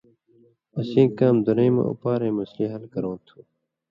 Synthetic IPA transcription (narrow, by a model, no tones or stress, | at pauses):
ɐsĩːkaːmd̪unejmɐ̰̃ṵpaːɾẽːmɐslĩːɦɐlkɐɾõːt̪ʰũː